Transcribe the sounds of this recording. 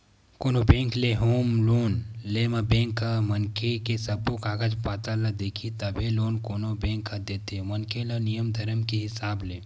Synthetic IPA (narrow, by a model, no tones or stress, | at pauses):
koːnobẽːŋkleɦoːmloːnlemɐbẽːŋkːamɐŋkekesɐbokaːɡəd͡ʒpaːt̪alɐd̪eːkʰit̪ɐbʱeloːnkoːnobẽːŋkʰːɐd̪eːt̪ʰemɐnkelənijəmd̪ʱɐɾəmkeɦɪsaːbleː